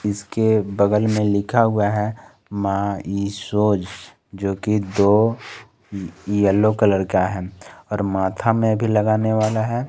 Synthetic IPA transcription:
ɪskebəɡəlmẽlɪkʰaɦʊaɦɛ | mãːisoːd͡ʒ | d͡ʒoːkid̪oː | iəlːokələɾkaɦɛɔːɾmaːt̪ʰamẽbʱilɐɡaːneʋaːlaɦɛː

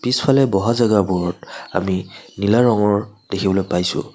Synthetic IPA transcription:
pispʰalɛbɔɦazaɡabɔɹɔta̰minilaɹɔŋɔɹd̥ekʰibɔlojpajsʊ̰

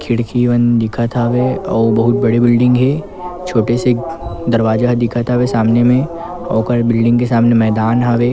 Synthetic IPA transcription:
kʰɪɽkʰiʋənd̪ɪkʰat̪ʰaʋeɔːbɐɦʊt̪̚bɐɽibɪlɖɪ̃ŋɡɦeː | t͡ʃʰoːʈesed̪ɐɾʋaːd͡ʒaɦd̪ɪkʰat̪ʰaʋesaːmnemẽ | ɔːkəɾbɪlɖɪ̃ŋɡkesaːmnemɛːd̪aːnɦaʋeː

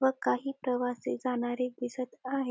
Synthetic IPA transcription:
ʋəkaɦiːpɾəʋased͡zaɽ̃aɾeɡisət̪aɦe

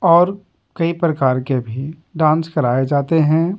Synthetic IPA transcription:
ɔːɾ | kɐipɾəkaːɾkebʱiɖãːnskɐɾaːed͡ʒaːt̪eɦɛ̃ː

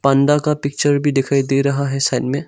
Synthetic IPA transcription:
pãɳɖakapɪk̚t͡ʃəɾbʱid̪ekʰajd̪eɾɐɦaɦɛsaɪnmẽ

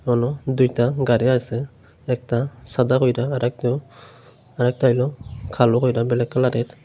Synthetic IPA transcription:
manɔdujtaɡaɾiajsɛ | ɛk̚tasadakojdaːɾɛk̚tɔ | aɾɛk̚tajlɔkʰalɔkʰojɾabɛlɛkːalaɾɛt

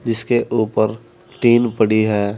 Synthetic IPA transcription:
d͡ʒɪskeʔuːpəɾ | ʈiːnpəɽiɦɛː

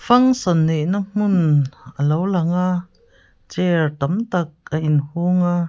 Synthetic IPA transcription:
fɐŋsɔnːeʔnam̥ʊnʔəlowlɐŋa | t͡sɛrt̪ɐmt̪ɐk̚aʔinhuŋa

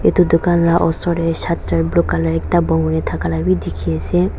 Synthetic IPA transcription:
et̪ud̪ukanlaʔɔsɔɾɛʃat̪ɾablokalaɾɛk̚tabɔŋɡɔnet̪ʰakalabid̪ikʰijasʰe

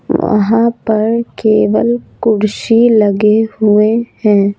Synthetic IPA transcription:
ʋɐ̰ɦãpɐɾkeːʋəlkʊɽʃilɐɡehʊehɛ̃ː

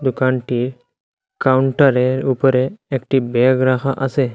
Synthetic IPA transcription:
d̪ukaɳʈiːɾ | kawuɳʈəɾeɾupɾeːkʈibeɡɾakʰaʔəse

